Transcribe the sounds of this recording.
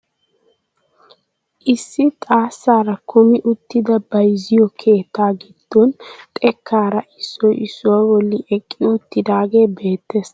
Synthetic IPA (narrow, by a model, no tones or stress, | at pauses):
ʔɪsːɪt̪ʼaːsːaːɾɐkʰʊmɪʔʊt̪ːɪd̪ɐbɐjzɪjɔkʰe̞ːt̪ːaːɡɪd̪̥ːɔnt̪ʼɛkʰːaːɾɐʔɪsːɔjɪsːʊwawɔlːɪʔɛkʼːɪʊt̪ːɪd̪aːɡe̞ːbe̞ːt̪ːe̞ːs